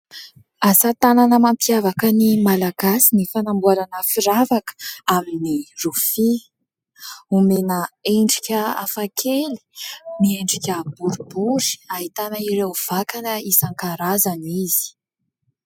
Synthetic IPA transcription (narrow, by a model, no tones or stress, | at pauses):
asat̪ananəmampiavakənimalaɡasinifanambuaɾanəfiɾavakə̥aminirufi | umenəeɳɖ͡ʐikʲəa̰fakʰeli̥mieɳɖ͡ʐikʲəbuɾubuɾi̥aɦit̪anəiɾewv̥akanəisaŋkaɾazaniz̥i̥